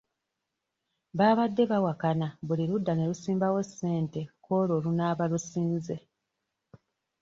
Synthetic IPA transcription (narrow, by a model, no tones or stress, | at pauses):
βaːβadːe̞βawakanaβuliɾudːane̞lusiːmbawese̞ːnte̞ko̞ːlo̞ːlunaːβalusiːnze̞